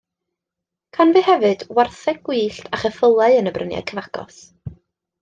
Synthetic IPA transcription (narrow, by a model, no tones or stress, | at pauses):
kʰanvɨhɛvɨd̥warθɛɡwiːɬtʰaχəfəlˠaɨənəbrənja̰kʰəvaɡɔ̰s